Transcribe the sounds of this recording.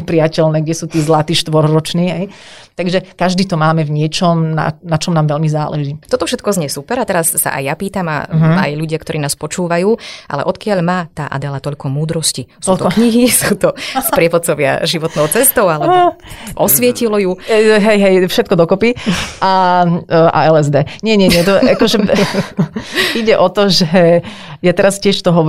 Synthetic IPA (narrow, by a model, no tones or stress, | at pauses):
pɾɪacɛlnɛːɡɟɛsuːt̪iːzlat̪iːʃt̪ʋɔɾɾɔt͡ʃniːɦɛj | t̪aɡʒɛkaʒd̪iːt̪ɔmaːmɛvɲɪɛt͡ʃɔmna̰nat͡ʃɔmnaːmʋɛʎmizaːlɛʒiːt̪ɔt̪ɔfʃɛt̪kɔzɲɛsupɛɾat̪ɛɾasːa̰ʔa̰jjapiːt̪ama̰ɦːjʎuɟɪakt̪ɔɾʔiːnaːspɔt͡ʃuːʋajuːʔa̰lɛ̰ʔɔt̪kɪaʎmaːt̪aːʔa̰d̪ɛlat̪ɔʎkɔmuːd̪ɾɔscisɔːlt̪ɔɔkɲiɦisuːt̪ɔspɾɪɛʋɔt͡sɔʋɪa̰ʒiʋɔt̪nɔʊt͡sɛst̪ɔʊalɛbɔʔɔsʋɪɛcilɔjuɦɛjɦɛjfʃɛt̪̚kɔd̪ɔkɔpiʔa | a̰ɛlɛzd̪ɛɲɪɛɲɛɲɪɛt̪ɔʔakɔʒɛ | iɟɛʔɔt̪ɔʒɛ | jat̪ɛɾascɪɛʃt̪ɔɦɔ